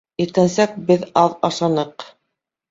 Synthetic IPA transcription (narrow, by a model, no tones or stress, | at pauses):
iɾt̪ænsæk̚bɘðɑðɑʃɑnɤq